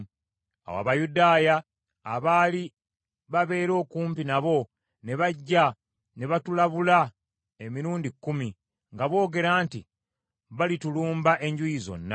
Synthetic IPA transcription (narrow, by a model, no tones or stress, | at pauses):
a̰wa̰βajudaːjaː | βaːli | βaβe̞ːɾo̞ːkuːmpinaβo̞ | ne̞βaɟːa | ne̞βatulaβula | e̞miɾuːndikːumi | ŋɡaβo̞ːɡe̞ɾaːnti | βalituluːmbaʔe̞ɲɟujizo̞̰nːa